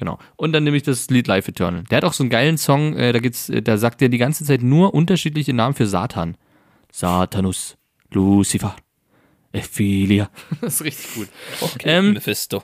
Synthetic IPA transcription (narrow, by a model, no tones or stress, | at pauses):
ɡ̥əna̰ʊʔʊntd̥aneːmɪçd̥asliːtlaɪfɪtʰœ̰ɐnl̩deɐhataʊxz̥oːnɡaɪlənsɔŋʔɛ̰ːdaːɡiːptsʔɛ̰ːd̥aːɐzaːk̚tjeːɐdiːɡant͡sət͡saɪtnuːɐʔʊntɐʃiːtlɪçənaːmən̩fyːɐza̰ːtʰaːn | z̥aːtʰaːnʊs | lusifa | ʔɛfiliaɪstʁɪçtɪ̥çɡ̥uːtɛːmfɪsto